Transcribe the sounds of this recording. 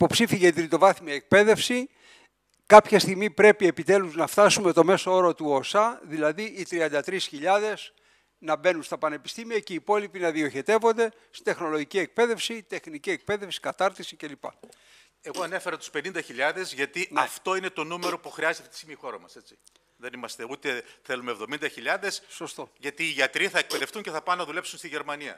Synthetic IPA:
ipo̞psifiʝet̪ɾit̪o̞vɐθimɐek̚pe̞ðe̞fsi | kɐpçest̪iɣmipɾe̞pie̞pit̪e̞luznɐft̪ɐsume̞t̪o̞me̞soo̞ɾo̞t̪uosɐðilɐðiːt̪ɾiɐnd̪ɐt̪ɾisçiʎɐðe̞s | nɐbe̞nunst̪ɐpɐne̞pi̥st̪imiɐceipo̞lipinɐðio̞çe̞t̪e̞vo̞nd̪e̞ | st̪i̥nd̪e̞xno̞lo̞ʝicie̞k̚pe̞ðe̞fsit̪e̞xniciek̚pe̞ðe̞fsi̥kɐt̪ɐɾt̪isice̞lipɐ̰ | e̞ɣo̞ɐnefe̞ɾɐt̪u̥spe̞nind̪ɐçiʎɐðe̞zʝɐt̪iɐft̪o̞ine̞t̪o̞nume̞ɾo̞puxɾiɐzet̪t̪et̪isimixo̞ɾɐmɐse̞t͡si̥ | ðe̞nimɐst̪e̞ut̪e̞θe̞lumeːvðo̞mind̪ɐçiʎɐðe̞sso̞st̪o̞ʝɐt̪iːʝɐt̪ɾiθɐek̚pe̞ðe̞fθuɲceθɐpɐnɐðule̞psunst̪iʝe̞ɾmɐniɐ̰

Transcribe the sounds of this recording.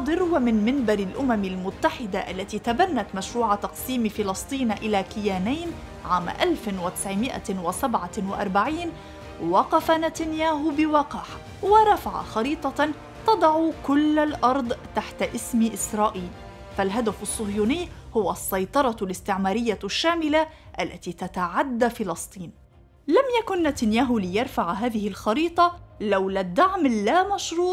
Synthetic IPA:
ɑd̪ˤɨɾwamɪnmɪnbɑɾɪlʔʊmamɪlmʊt̪ːaħɪd̪aʔalːat̪iːt̪abanːat̪maʃɾuːʕat̪ɑqsiːmfɪlɑsˤt̪ˤiːnʔɪlaːkɪjaːnajn | ʕaːm̰ʔalfnwɪt̪ɪ̥sʕɪmɪʔa̰wɪsabʕawɪʔɑ̰ɾˤbaʕiːn | wɑqɑfanat̪anjaːɦʊbɪwɑːqɑħ | wɪɾˤɑfaʕa̰xɑɾiːt̪ˤɑ | t̪ɑd̪ˤɑʕukʊlːalʔɑɾˤd̪ˤt̪aħt̪aʔɪsmʔɪsɾˤɑːʔiːl | falɦad̪afɑsˤːʊɣjuːnɪjːhʊwasˤːɑjt̪ˤɑɾˤɑlɪst̪ɪʕmaːɾɪjːaʃːaːmɪlaʔalːat̪iːt̪at̪aʕad̪ːafɪlɑsˤt̪ˤiːn | lamjakʊnːat̪anjaːɦʊlɪjɑɾˤfaʕɦaːðɪhɪlxɑɾiːt̪ˤɑlawlad̪ːaʕmlːamaʃɾuːt̪

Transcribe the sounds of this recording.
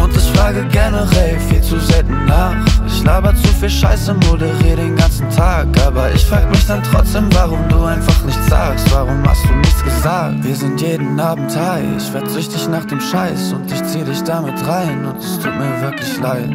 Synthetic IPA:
ʔʊntɪçfʁ̥aːɡəɡɛnəʁɛlfiːlt͡suzɛltn̩naːχʔɪçlaːbət͡sufiːllʃa̰ɪsəmodəʁiːdeːnɡant͡sn̩tʰaːkʔaːbɐʔɪ̰çfʁ̥a̰ːɡəmɪçd̥antʁ̥ɔt͡sd̥eːmvaʁʊmduːaɪnfaχnɪçtt͡sz̥a̰ːkstv̥aʁʊmha̰std̥uːnɪçt͡ssɡ̥əzaːk̚tv̥iːɐzɪntjeːdn̩ʔaːbm̩tʰhaɪ̰çfɛɐt͡sʏçtɪçnaːχd̥eːmʃaɪsʊntɪçt͡siːədɪçd̥amɪtʁaɪnʊntɛstʰṵːt̚miːɐvɪɐkʰlɪçlaɪt

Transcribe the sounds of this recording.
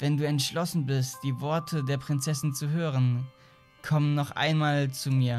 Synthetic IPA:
vɛnduːɛntʃlɔsn̩bɪstd̥iːvɔɐtʰədeːɐpʁ̥ɪnt͡sɛsɪnt͡suɦøːʁən | kʰɔmənːɔχʔa̰ɪnmaːlt͡sumiːɐ

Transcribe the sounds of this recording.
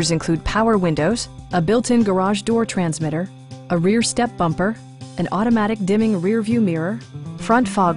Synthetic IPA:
ə˞zɨ̃nkʰl̥ʉd̚pʰaʊə˞wɪ̃ndoʊz̥ | əbɪlˠtʰɨ̃nɡə˞ɑʒdɔɹtʰɹ̥æ̃nzmɪɾə˞ | əɹɪɹstɛp̚b̥ʌ̃mpə˞ | ɨ̃nɔɾɨmæɾɨk̚d̥ɪ̃mɪ̃ŋɹɪɹvjʉmɪɹə˞fɹʌ̃ntfɑ

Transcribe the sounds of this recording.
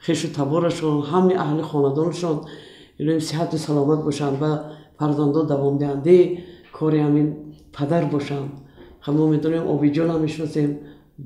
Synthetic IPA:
χeʃut̪ʰabɔɾaʃɔnɦamniʔaɦliχɔnad̪ɔnaʃɔn | bilɔjemsiɦat̪usalɔmat̪̚bɔʃand̪bafaɾzand̪ɔnd̪avɔmd̪ihand̪aikʰɔɾihaminpʰad̪aɾbɔʃand̪χamɔmed̪ɔnemʔɔ̰bid͡ʒɔnamːeʃnɔsem

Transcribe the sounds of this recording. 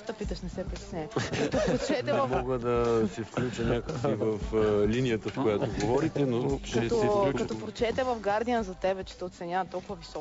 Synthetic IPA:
t̪ɐpit̪ɐʃnɛsɛpɾit̪ɛ̥snɛɛkɐt̪opɾot͡ʃɛnɛvɐfmɔɡəd̪ɐsɛfklʲut͡ʃənʲakəksivəflinijət̪əfkojat̪oɡovɔɾit̪ɛnokɐɛɔɛukɐt̪opɾot͡ʃɛt̪ɛvɐvɡaɾd̪ijənzɐt̪ɛbɛt͡ʃɛ̥t̪ɛot̪sɛnʲavɐt̪ɔlˠkʊvɐvisɔ

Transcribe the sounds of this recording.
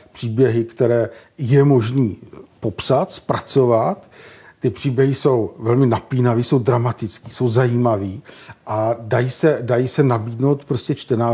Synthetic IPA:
pr̝̥iːbjɛɦɪkt̪ɛɾɛːjɛmo̞ʒniːpo̞psat̪spɾat͡so̞vat̪ːɪpr̝̥iːbjɛɦɪso̞wvɛlmɪnapiːnaviːso̞wdɾamat̪ɪt͡skiːso̞wzajiːmaviːʔadajiːsɛdajiːsɛnabiːdnowt̪pɾo̞scɛt͡ʃt̪ɛnaː

